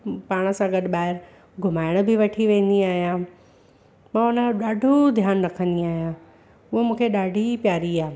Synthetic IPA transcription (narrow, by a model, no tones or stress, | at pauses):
paːɽ̃ə̆sãɡɐɗɪ̆ɓaːɪɾ | ɡʱʊmaːɪɽ̃̆bɪʋɐʈʰiʋẽːnd̪iaːɦijã | mãːʊnə̆ɗaːɖʱod̪ʱjaːnɾɐkʰə̃nd̪iaːɦijã | ʊɦomũːkʰeɗaːɖʱipjaːɾiaːe